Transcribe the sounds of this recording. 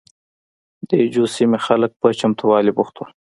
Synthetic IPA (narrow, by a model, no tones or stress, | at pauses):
d̪̥əd͡ʒosimexalək̚pət͡ʃamt̪ʰuwɑlibuxt̪ul